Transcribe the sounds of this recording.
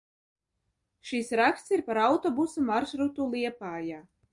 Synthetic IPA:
ʃisɾakst̪siɾpaɾawt̪ɔbusumaɾʃɾut̪ulˠiɛpaːjaː

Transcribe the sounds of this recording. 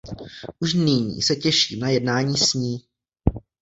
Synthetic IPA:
ʔuʃnɪɲḭːsɛcɛʃiːmnajɛdnaːɲiːsɲiː

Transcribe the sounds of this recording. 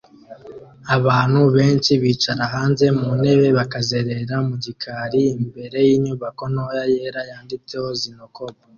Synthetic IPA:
aβaːn̥huβe̞ːnt͡ʃiβiːt͡ʃaɾaɦaːnze̞mune̞βe̞βakaze̞ɾe̞ɾamuɟikʰaɾiːmbe̞ɾe̞jiːɲuːβako̞nojaje̞ɾajaːndit͡sehozinoko̞ba

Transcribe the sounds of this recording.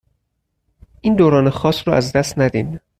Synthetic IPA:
ʔiːnd̪oːɾɒːnexɒːsɾɔʔæzd̪æst̪næd̪id̪

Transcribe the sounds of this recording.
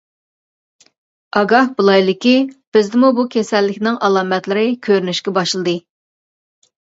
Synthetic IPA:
ɑɡɑhbulˠɑjlˠɪkʲib̥ɪzd̪ɪmubukʲʰɛsɛlːɪkʲnɪŋʔɑlˠɑːmɛt̪lɪɾɪkʲʰøɾnyʃkʲɛbɑʃlˠɨd̪ɨ

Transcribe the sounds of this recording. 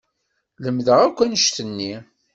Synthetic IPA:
ləmðəʁækʷːænəʃt̪ənːi

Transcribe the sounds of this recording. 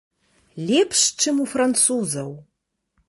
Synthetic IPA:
lʲepʰʂʈ͡ʂʰemufrant͡sʰuzɐw

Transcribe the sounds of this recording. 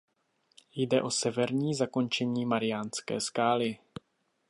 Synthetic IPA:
jdɛʔo̞sɛvɛɾɲiːzako̞nt͡ʃɛɲiːmaɾɪjaːnskɛ̰ːskaːlɪ

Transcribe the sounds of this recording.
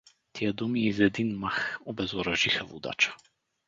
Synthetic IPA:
t̪ʰiad̪umiɛizɛd̪inmaxɔbɛzɔɾaʒixavṵd̪a̰t͡ʃḁ

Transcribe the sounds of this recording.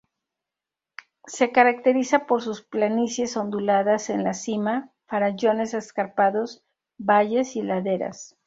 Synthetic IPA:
se̞kaɾak̚t̪e̞ɾisapo̞ɾsusplanisje̞so̞nd̪ulaðase̞nlasima | faɾaʝo̞ne̞seskaɾpaðo̞s | baʝe̞silaðe̞ɾa̰s

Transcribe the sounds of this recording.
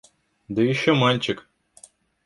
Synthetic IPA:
d̪ɨjɪɕːomanʲt͡ɕɪk

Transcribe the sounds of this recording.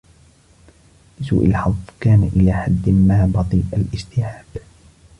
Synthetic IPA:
lɪsuːʔɪ̰lħɑðˤkaːnaʔɪlaːħad̪ːmaːbɑt̪ˤiːʔalʔɪd͡ʒt̪ɪʕaːb

